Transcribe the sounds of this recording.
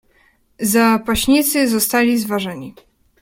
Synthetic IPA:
zapaɕɲit̪sɘzɔst̪alʲizvaʐɛɲi

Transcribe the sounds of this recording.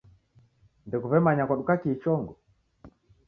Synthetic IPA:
ndɛkuβɛmaɲakaɗukakit͡ʃɔŋɡɔ

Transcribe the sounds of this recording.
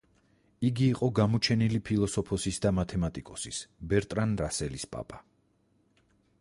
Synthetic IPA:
iɡiːqʼɔɡamɔt͡ʃʰɛnilipʰilˠɔsɔpʰɔsisd̪amat̪ʰɛmat̪ʼikʼɔsisbɛɾt̪ʼɾanɾasɛlispʼa̰pʼa

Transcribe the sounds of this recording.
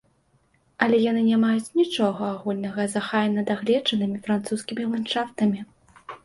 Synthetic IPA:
ɐlʲɛjanɨnʲamajut͡sʲnʲit͡ʂɔɣɐaɣulʲnɐɣɐzaxajnɐd̪aɣlʲɛd͡ʐɐnɨmʲifɾant̪suskʲimʲilˠant͡ʂaft̪ɐmʲi

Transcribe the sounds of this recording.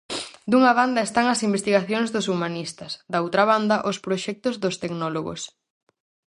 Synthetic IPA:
d̪uŋɐβand̪ɐest̪aŋɐsimbest̪iɣaθjoŋzðʊsumanist̪ɐsd̪ɐowt̪ɾɐβand̪ɐʔospɾoʃɛk̚t̪ʊzðʊst̪eɡnɔloɣo̰s

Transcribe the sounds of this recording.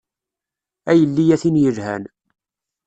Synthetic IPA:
æjəlːijæθinjəʒhæ̰n

